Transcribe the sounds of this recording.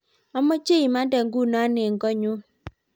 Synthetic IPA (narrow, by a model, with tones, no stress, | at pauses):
ɔ˦mɔ˦t͡ʃe˦i˨ma˦da˨ŋɡu˦˨na˦nɛ˨ŋɡɔ˦ɲu˦